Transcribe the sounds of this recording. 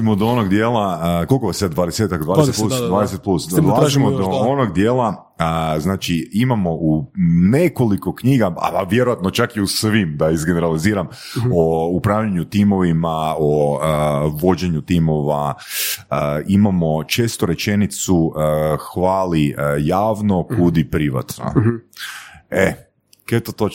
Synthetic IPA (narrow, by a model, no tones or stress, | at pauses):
imod̪oonoɡd̪jeːlˠako̞lˠkoʋasad̪d̪ʋaːd̪eset̪akd̪ʋaːdeet̪plusd̪vaːd̪es̬et̪plusolaaaʒimod̪oonoɡd̪je̞ːlˠa | əznaːt͡ʃiimamo̞ʔune̞koliko̞kɲiːɡaa̰ʋje̞ɾojat̪not͡ʃakiusʋimd̪aizɡeneɾaliziːɾam | oupɾaːʋʎaɲut̪iːmo̞ʋimaoəʋo̞d͡ʒeɲut̪iːmo̞ʋa | əimamo̞t͡ʃe̞ːst̪oɾe̞t͡ʃe̞nit̪suəxʋaːlijaːʋno̞kud̪ipɾiʋa̰t̪no̰ | e | ket̪ot̪o